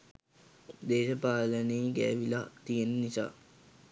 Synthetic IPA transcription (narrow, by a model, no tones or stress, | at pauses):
d̪eːʃəpaːləneːɡæ̰ːʋilat̪ijenənisa̰ː